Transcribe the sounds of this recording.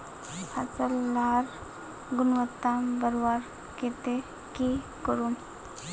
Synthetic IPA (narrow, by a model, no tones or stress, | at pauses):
hasəlːaːɾ | ɡʊnʋət̪ːambəɾʋaɾ | ket̪e | ki | kəɾum